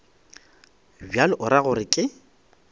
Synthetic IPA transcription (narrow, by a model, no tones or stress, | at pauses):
bjalɔʔʊɾaɣʊrɪkʼɪ